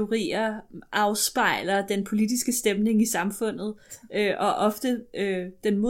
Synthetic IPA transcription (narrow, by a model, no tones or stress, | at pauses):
o̝ʁḭːɐʔɑ̈ʊsb̥ɑ̈ɪ̰lɐd̥enpʰo̝lid̥isɡ̥əsd̥emne̝ŋisɑ̈mfɔ̽n̰ð̞̩ˠøʔɒ̽ʔɒ̽fd̥əød̥enmo̝